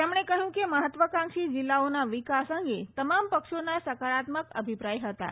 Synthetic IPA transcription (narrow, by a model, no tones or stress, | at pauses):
t̪emɳ̃ekəɦjũkeməɦət̪ʋəkãŋʃid͡ʑilːaonaʋikasəŋɡet̪əmampəkʃonasəkaɾat̪məkə̰bʱipɾajɦət̪a̰